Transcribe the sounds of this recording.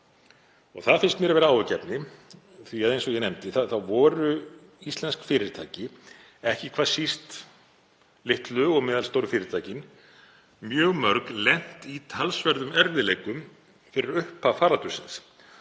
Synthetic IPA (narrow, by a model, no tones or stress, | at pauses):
ɔɣθaðfɪnst̪mjɛɾavɛːɾaaːwɛcɛpnɪ | θviaðejnsɔɣjɛnemt̪ɪθaθawvɔɾʏ | ist̪lɛnskfɪːɾɪɾ̥t̪ʰa̰ːcɪ | ɛhcɪkʰvḁːsist̪ | lɪht̪lʏɔɣmɛːðalst̪owɾʏfɪːɾɪɾ̥t̪ʰaːjcɪn | mjœːɣmœɾklɛn̥t̪it̪ʰalsvɛɾðʏmɛɾðɪlejkʏm | fɪɾɪɾʏhpafaːɾalt̪ʏsɪns